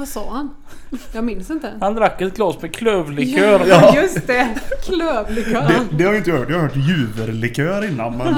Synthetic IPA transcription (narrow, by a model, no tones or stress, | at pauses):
vasɑːhan | jɑːɡmɪnsɪnt̪əhand̪ɾakːɛt̪̚ɡlɑːsmɛkʰløːvlɪkʰøːɾjjɵsd̪ɛkʰløːvlɪkøːd̪ɛd̪ɛhaɾjɪnt̪əhœːʈ̚jhahœːʈjʉːvəɾlɪkʰøːɾɪnːanmɛn